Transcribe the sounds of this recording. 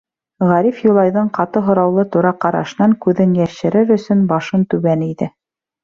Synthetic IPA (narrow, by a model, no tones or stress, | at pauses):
ʁæɾifjulˠɑjðɤɴqɑt̪ɤɦŏɾɑwlˠɤt̪uɾɑqɑɾɑ̰ʃɤnɑŋkʉðɘnjæʃɘ̆ɾɘɾɵ̆sɵnbɑʃɤnt̪ʉβæniðɘ